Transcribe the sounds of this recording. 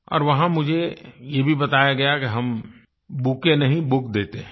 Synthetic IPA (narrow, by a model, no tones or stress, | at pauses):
ɔ̰ːɾʋɐɦãmʊd͡ʒʱejeːbʱibɐt̪aːjaɡɐjakeɦɐm | buːkenɐɦĩbʊkd̪eːt̪eɦɛ̃